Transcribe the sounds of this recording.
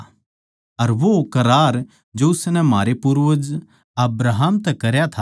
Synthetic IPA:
ɐɾʋokɐɾaːɾ | d͡ʒoʊsnɛmaːɾepʊɾʋəd͡ʒ | ɐbɾaɦəmt̪ɛkɐɾjat̪ʰa

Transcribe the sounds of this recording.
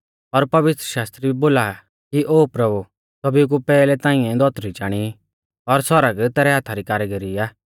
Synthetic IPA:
ɔɾpɐʋɪt̪ɾəʃaːst̪ɾiiboːla | kiʔoːpɾɐbu | sɐbik̬upɛːlɛt̪ãːɪ̃ɛ̃d̪ɔt̪ɾit͡ʃaːɽ̃i | ɔɾsɔɾəɡt̪ɛːɾɛɦaːt̪ʰaɾikaːɾɛɡeɾiaː

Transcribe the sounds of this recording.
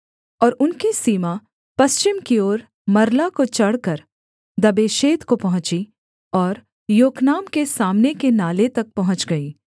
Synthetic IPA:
ɔːɾʊnkisiːma | pɐst͡ʃɪmkioːɾ | mɐɾlakot͡ʃɐɽkəɾ | d̪ɐbeːʃeːd̪kopɐɦʊ̃t͡ʃi | ɔːɾ | joːknaːmkesaːmnekenaːlet̪ɐk̚pɐɦʊ̃t͡ʃɡɐiː

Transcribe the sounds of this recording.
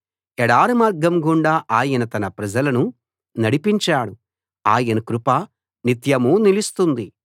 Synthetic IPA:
ɛɽaːɾɐmaːɾɡɐmɡuɳɖaːʔaːjɐnɐt̪ɐnɐpɾɐd͡ʒɐlɐnu | nɐɽipiɲt͡ʃaːɽu | aːjɐnɐkɾupɐ | nit̪jɐmunilist̪und̪i

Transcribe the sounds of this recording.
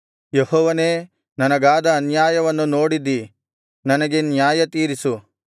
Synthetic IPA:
jehɔːʋɐne̞ː | nɐnɐɡaːd̪ɐːnjaːjɐʋɐnːunoːɽid̪i | nɐnɐɡe̞njaːjɐt̪iːɾisu

